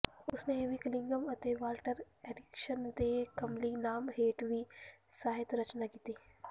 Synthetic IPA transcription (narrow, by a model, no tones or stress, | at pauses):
ʊsneeʋiklɪ̃ŋɡəmɐt̪eʋaːlʈəɾ | eːɖɪkʃənd̪eːkɐmlinaːmɦeːʈʋi | saːɦɪt̪ɾɐt͡ʃnakiːt̪eː